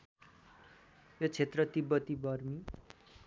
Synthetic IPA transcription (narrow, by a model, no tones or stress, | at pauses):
jot͡sʰet̪rʌt̪ibʌt̪ibʌrmi